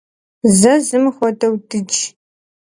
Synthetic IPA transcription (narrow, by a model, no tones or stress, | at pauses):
zɐzɨmxʷɔdɐwdɨd͡ʒ